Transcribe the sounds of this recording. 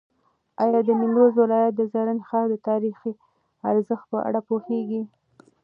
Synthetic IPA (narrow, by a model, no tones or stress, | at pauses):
ɑjɑd̪ənɪnd̪ozwɪlɑjat̪̚d̪əzɑɾanxɑɾd̪ət̪ɑɾixi | aɾzəxt̪̚pəʔa̰ɽapoheɡi